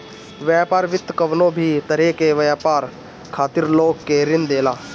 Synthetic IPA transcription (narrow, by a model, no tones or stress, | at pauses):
ʋjaːpaːɾʋɪt̪ːkəʋnõbʱit̪əɾekeʋəjaːpaːɾ | kʰaːt̪ɪɾloːɡkeɾɪnd̪eːlaː